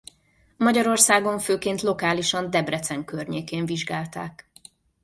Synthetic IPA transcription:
mɒɟɒɾo̞rsaːɡo̞ɱføːkeːnt̪lo̞kaːliʃɒnd̪ɛbrɛt̪sɛŋkørɲeːkeːɱviʒɡaːlt̪a̰ːk

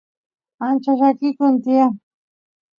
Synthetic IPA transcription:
ant͡ʃaʃakɪkʊnt̪ɪa

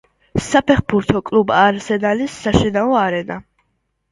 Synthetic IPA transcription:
sapʰɛχbuɾt̪ʰɔkʼlubaːɾzɛnalisːaʃinaɔaɾɛna

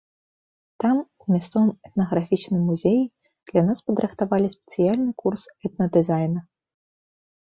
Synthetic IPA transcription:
t̪amumʲast̪sɔvɨmɛt̪̚nɐɣɾafʲit͡ʂnɨmːuzʲeji | d̪̥lʲanaspɐd̪ɾʔɨxt̪avalʲisʲpʲɛ̥t̪sɨjalʲnɨkursɛt̪̚nɐd̪ɨzajnɐ

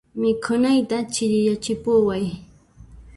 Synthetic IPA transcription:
mɪkʰʊnajt̪at͡ʃɪʎɪjat͡ʃɪpʊwaj

